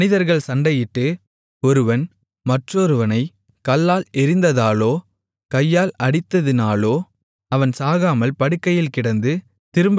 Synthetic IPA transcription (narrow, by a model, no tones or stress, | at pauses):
nɪðɐɾɣɐɭsɐɳɖɐjɪʈːɯ | ɔɾɯʋɐn | mɐʈroɾɯʋɐnɐɪ | kɐlːaːlɪɾɪnd̪ɐðaːloː | kɐjːaːlɐɽɪt̪ːɐðɪnaːloː | ɐʋɐnsaːɣaːmɐlpɐɽɯkːɐjɪlkɪɽɐnd̪ɯ | t̪ɪɾɯmb